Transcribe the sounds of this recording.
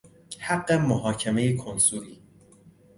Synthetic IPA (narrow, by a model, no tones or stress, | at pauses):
hæɡːemoɦɒːcʰe̞me̞jekʰonsuːɾiː